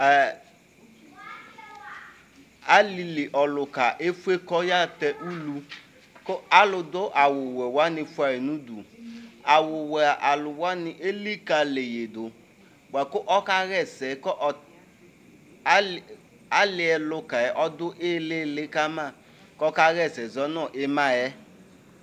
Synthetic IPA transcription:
a˦li˨li˨ʔɔ˨lʊ˨ka˨ʔe˦fu˦e˦kɔ˦ja˦tɛ˦ʔu˦lu˨ | ko˦a˦lʊ˨dʊ˦ʔa˨wʊ˨wɛ˨wa˦nɪ˨fu˦a˨ɾi˨nu˦du˨a˨wʊ˨wɛ˨a˨ʔa˨lʊ˨wa˦nɪ˨ʔe˦li˦ka˨le˨je˨dʊ˨ | ɡ͡ba˨kʊ˦ʔɔ˦ka˦ɣɛ˦sɛ˨kɔ˦ʔ | a˦lɪ˨˦ɛ˨lʊ˦ka˨jɛ˨ʔɔ˦dʊ˦ʔe˦le˦lɪ˦ka˦ma˦˨ | kɔ˦ka˦ɣɛ˦˨sɛ˨zɔ˦nɔ˦˨ʔe˦ma˦˨jɛ˦

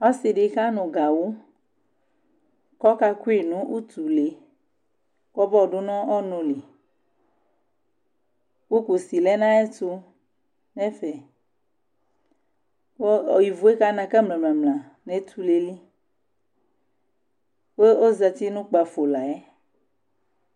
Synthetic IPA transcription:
ɔ˦si˨ɖe˨ka˦nõ˨ɡa˨wo˦ | kɔ˦ka˦ku˦i˨nũ˦ʔu˦t̪u˨le˨ | kɔ˦bɔ˦˨ɖo˦nɔ̃˦ɔ˦nõ˨li˨ | wu˦ku˨si˨lɛ˦nã˦ɛ˦t̪u˦ | nɛ̃˦fɛ˨ | wo˦ɔ˨ji˨vo˨˦e˦ka˦nã˨kɛ˦mlɛ̃˨mlɛ̃˨mlã˨ | ne˦t̪ʰu˦le˨li˦ | we˦o˦zɛ˨t̪i˦nũ˦k͡pa˨fo˨la˨ɛ˦

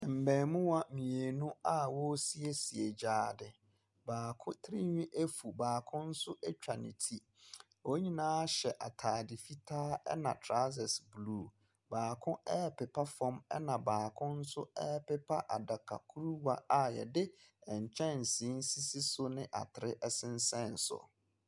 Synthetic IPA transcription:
m̩˨bɛ̃ː˨mʊ̃˦wa˦mĩ˨e˨nũ˦a˦wɔ˦si˦e˨si˨e˨d͡ʑaː˨dɪ˨ | baː˨kʰʊ̃˦tʰɾi˦ɲᶣĩ˦ʔe˦fu˨baː˨kʰʊ̃˦n̩˦sʊ˦ʔɛ˦t͡ɕᶣa˨nɪ̰̃˨tʰi˦ | o˦ɲĩ˦nãː˦ɕɛ˨ʔa˨tʰaː˨dɪ˨fi˦tʰaː˦ɛ̰˦nã̰˨tʰɾa˦sɛ˨sbluː˨ | baː˨kʰʊ̃˦ʔɛː˦pɪ˨pʰa˦fɔ̃˦mɛ̰˦nã˨baː˨kʰʊ̃˦n̩˦sʊ̰˦ɛ˦pɪ˦pʰa˦ʔa˨da˨kʰa̰˨kʰu˦ɾu˦wa˦a˨jɛ̰˨dɪ˦ɛ̃˨ɲ˨t͡ɕʰɛ̃˦n̩˨sĩ˨˦n̩˦si˦si˦sʊ˦nɪ̃˦ʔa̰˨tʰɪ˨ɾɪ˦ʔɛ˦sɪ̃˦n̩˦sɛ̃˦˨n̩˨sʊ̰˨

